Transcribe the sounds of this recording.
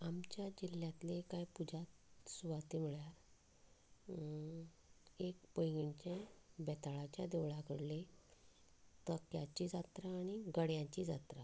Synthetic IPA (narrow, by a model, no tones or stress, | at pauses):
amt͡ɕjad͡ʑiljat̪lekajpud͡ʑat̪suʋat̪im̤iɭjaɾ | ekpəjɡiɳt͡ɕẽbɛt̪aɭat͡ɕjad̪eʋɭakəɽle | t̪əkjat͡ɕid͡zat̪ɾaːɽ̃iɡəɽjãt͡ɕid͡za̰t̪ɾa